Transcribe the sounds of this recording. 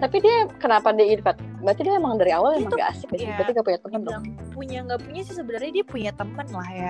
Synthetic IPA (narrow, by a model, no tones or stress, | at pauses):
t̪apidiakənapadiinfat̪̚bəɾat̪idiaemaŋdaɾiawalemaŋɡa̰ʔa̰sɪk̚bibɾat̪iŋɡapuɲat̪əmpəndʊapuɲaŋɡapuɲasɪhsəbənarɲadiapuɲat̪əmpənlahja